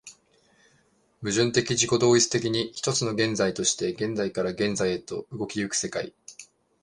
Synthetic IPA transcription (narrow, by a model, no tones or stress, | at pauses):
bɯ̟ʑɨ̃nt̪e̞kʲid͡ʑʑiko̞d̪o̞ːit͡sɨ̥t̪e̞kʲiɲ̟içi̥t̪o̞t͡sɨno̞ɡẽ̞nzait̪o̞ɕi̥t̪e̞ɡẽ̞nd͡zaikaɾaɡẽ̞nzaiet̪o̞ɯ̟ɡo̞kʲijɯ̟kɯ̟̥se̞kaḭ